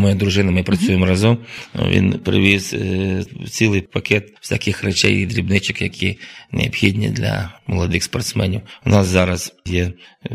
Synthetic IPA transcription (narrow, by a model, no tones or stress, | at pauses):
mɔjad̪ɾʊʒɪnɐmɪpɾɐsʲujemɔɾɐzɔm̰ʋʲḭnpɾɪ̰ʋʲiz | t͡sʲilˠɪjpɐkʲɛt̪wsʲakɪxrɛt͡ʃɛ̰jid̪ɾʲibnɪt͡ʃɪkjɐkʲʰinḛɐbxʲidʲnʲḭd̪lʲɐ̰mɔlˠɐd̪ɪxspɐrt̪smɛnʲiwʊnɑszɑɾɐzjɛ